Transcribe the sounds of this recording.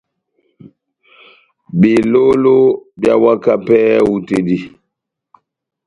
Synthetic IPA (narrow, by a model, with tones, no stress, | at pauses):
bi˨lo˦lo˦bja˦wa˦ka˦pɛ˦wu˨te˨di˨